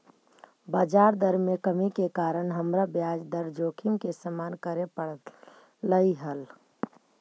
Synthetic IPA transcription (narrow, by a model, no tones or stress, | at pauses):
baːd͡ʒaːɾd̪əɾmekəmikekaːɾəɳɦəmɾabjad͡ʒd̪əɾd͡ʒoːkʰimkesəmaːnkəɾepəɽə | ləiɦəl